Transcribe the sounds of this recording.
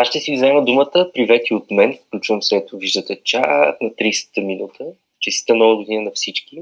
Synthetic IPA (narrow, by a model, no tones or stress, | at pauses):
aʃʃt̪ɛsiɡizɛməd̪umət̪əpɾivɛt̪iot̪mɛnfklʲut͡ʃvəmsɛt̪oviʒd̪ət̪ɛt͡ʃasnɐt̪ɾisɛ̥t̪əminut̪ʰə | t͡ʃɛsi̥t̪əmnɔvəɡod̪inənɐfsit͡ʃki